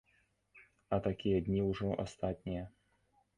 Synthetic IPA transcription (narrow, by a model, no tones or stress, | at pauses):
ɐt̪akʲijɐd̪ʲnʲiuʐɔʔa̰st̪at̪ʲnʲijɐ